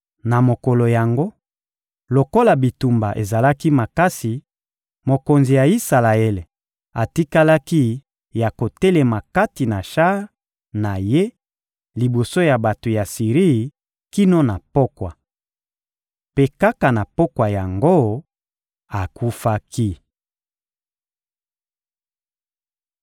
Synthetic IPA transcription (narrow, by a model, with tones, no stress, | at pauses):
na˨mo˨ko˨lo˨ja˨ŋɡo˦ | lo˨ko˦la˨bi˨tu˨mba˨ʔḛ˨za˨la˦ki˦ma˨ka˦si˨ | mo˨ko˨nzi˨ja˨i˦sa˨la˨e˦le˨ | a˨ti˦ka˦la˦ki˦ | ja˨ko˨te˦le˨ma˨ka˦ti˨na˨ʃa˦ | na˨je˦ | li˨bo˨so˦ja˨ba˨to˨ja˨si˨ʁi˦˨ | ki˦no˦na˨po˦kwa˨ | pe˦ka˦ka˨na˨po˦kwa˨ja˨ŋɡo˦ | a˨ku˦fa˦ki˦